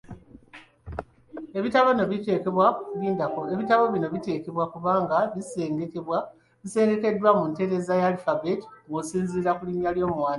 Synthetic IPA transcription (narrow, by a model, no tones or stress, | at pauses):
e̞βitaβo̞no̞βite̞ːkeβwaβiːndakoeβitaβo̞βino̞βite̞ːke̞βwakuβaːŋɡaβiseːŋɡeeβwa | βise̞ːŋɡe̞ke̞dːwamunte̞ɾe̞zajalifabeti̥ŋɡosiːnziːɾakuliɲaljo̞ːmuwaːn